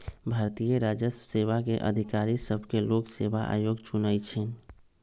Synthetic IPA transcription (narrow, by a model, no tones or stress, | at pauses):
bʱaɾt̪ijəɾad͡ʒəsseβakeʔə̰d̪ʱikaɾisəbʱkeloksebaʔa̰joɡt͡ʃunəjt͡ʃʰɛn